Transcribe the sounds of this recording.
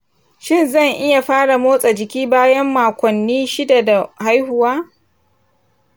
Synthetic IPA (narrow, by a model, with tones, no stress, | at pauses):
ʃɪ˦nzɐ˦˨ŋʔɪ˦ja˨ɸaː˦ɽa˨moː˦sʼa˨d͡ʒɪ˨kʲiː˦baː˦jɐ˦mːaː˨kʷɔ˨nːiː˦ʃɪ˦da˨da˨ha˦jhʊ˨waː˦